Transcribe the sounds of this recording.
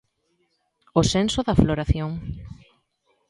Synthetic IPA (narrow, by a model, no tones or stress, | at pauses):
osensoðɐfloɾaθjoŋ